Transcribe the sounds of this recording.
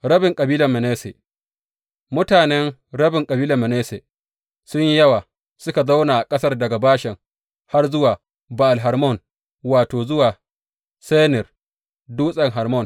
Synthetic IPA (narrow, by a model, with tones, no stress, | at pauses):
ɽɐ˦bɪ˨ŋkʼɐ˨biː˦lɐ˨mːɛ˨neː˦sḛ˨ | mʊ˦taː˨nɛ˦nɽɐ˦bɪ˨ŋkʼɐ˨biː˦lɐ˨mɛ˨neː˦se˨ | sʊ˦ɲji˦jɐ˦waː˨ | sʊ˦ka˨za˦wnaː˨ʔa˨kʼɐ˦sɐ˦rdɐ˨ɡa˨baː˦ʃɪ˨ŋ | ha˦rzʊ˦waː˨ | ba˨ʔa˨lɦɐ˨ɾmɔ˦˨n | waː˨toː˨zʊ˦waː˨ | se˦nɪ˨r | duː˦sʼɐ˨ŋɦɐ˨rmɔ˦˨n